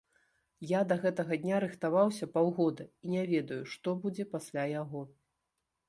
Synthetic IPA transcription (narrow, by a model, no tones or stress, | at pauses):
jad̪ɐɣɛt̪ɐɣɐd̪ʲnʲaɾɨxt̪avawsʲɐpawɣɔd̪ɐinʲavʲɛd̪ɐjuʂt̪ɔbud͡zʲɛpasʲlʲajaɣɔ